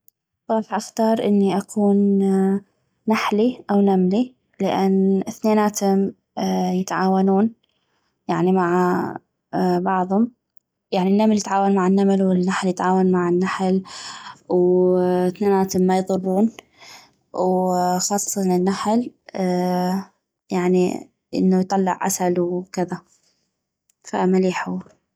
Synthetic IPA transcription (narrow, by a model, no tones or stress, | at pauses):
bˤɑːħʔaxt̪ɑːɾˤʔɪ̰nːiʔakʰuːn | aħliʔawnamli | lɪʔanːɪθneːnaːt̪ʊm | jɪt̪ʕaːwanuːn | jaʕnimaʕa | bɑʕðˤhʊm | jaʕninːamljɪt̪ʕaːwanmaʕanːamalwɪnːaħljɪt̪ʕaːwanmaʕɪnːaħl | w | θneːnaːt̪mːajðˤʊrˤːuːn | wxɑːsˤsˤinɪnːaħl | jaʕnḭ | ʔɪ̰nːujt̪ˤɑlːɪ̰ʕʔa̰salwkɪða | fa̰maliːħu